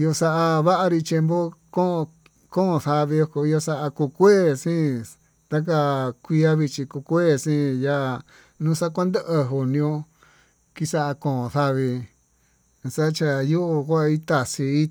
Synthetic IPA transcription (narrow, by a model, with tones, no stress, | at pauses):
jo˧sa˧ʔa˧βa˦ʔa˧ɾi˧t͡ʃe˧mbo˦kõ˦˧ | kõ˦˧θa˧βi˧o˧ko˧i˧o˧sa˧ʔa˧ku˧kʷeː˦sĩ˦ | t̪a˦k̬a˧kʷi˧a˦βi˧t͡ʃi˧ku˧kʷeː˦˨sĩ˦ja˧˨ | nũ˦sa˦kʷa˦nd̪e˦ʔə˧ɦu˨nĩ˧õ˧ | ki˦sa˦ʔa˧kõː˨õ˨θa˧βi˧ | sa˦t͡ʃa˧ju˦ʔo˧kʷa˦˧i˦t̪a˧˨si˧i˦